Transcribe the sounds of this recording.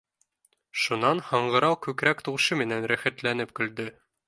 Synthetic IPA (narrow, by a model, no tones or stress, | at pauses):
ʃunɑnhɑɴɢɤ̆ɾɑwkʉkɾækt̪uʁʃɤmɘ̆nænɾæχæ̆t̪lænɘp̚kɵ̆ld̪ɵ